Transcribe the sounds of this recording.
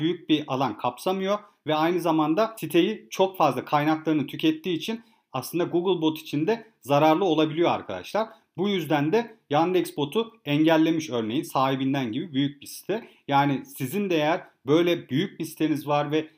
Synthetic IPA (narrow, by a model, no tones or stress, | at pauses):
byjyc̚biʔalˠankʰapsamɯjo̞ | vɛajnɯzamand̪asit̪ʰe̞jit͡ʃʰo̞kfazlˠakʰajnaklˠaɾɯnɯt̪ʰycʰɛt̪ʰːiːt͡ʃʰin | aslˠɯnd̪aɡuɡɯlˠbo̞t̪ʰi̥t͡ʃʰind̪ɛ | zaɾaɾlˠɯo̞lˠabilʲijo̞a̰ɾkʰad̪a̰ʃlˠaɾ | bujyzd̪ænd̪ɛjand̪ɛksbo̞t̪ʰuɛɲɟælʲːe̞miʃø̞ɾnejinsaːɦibind̪ænɟibibyjyc̚bisi̥t̪ʰɛjaːnisizind̪e̞jæɾbø̞jlʲɛbyjyc̚bisi̥t̪ʰe̞nizvaɾvɛ